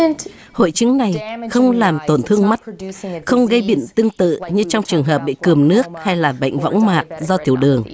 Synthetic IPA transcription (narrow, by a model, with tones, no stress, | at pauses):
ho̰˧˨jt͡ɕɨ˨˦ŋna˨˩jxə˧wŋ͡mlaː˨˩mt̪o˨˩nt̪ʰɨ˧əŋma˦˥t̚xə˧wŋ͡mɣə˧jɓḭ˧˨ənt̪ɨ˧əŋt̪ɨ̰˧˨ɲɨ˧t͡ɕɔ˧wŋ͡mt͡ɕɨ˨˩əŋɦəː˨˩p̚ɓḭ˧˨kɨ˨˩əmnɨ˦˥ək̚ha˧jlaː˨˩ɓə̰˧˨jŋ̟vɔ̰˧˥wŋ͡mmaː˨˩t̚zɔ˧t̪ʰi˧˩əwɗɨ˨˩əŋ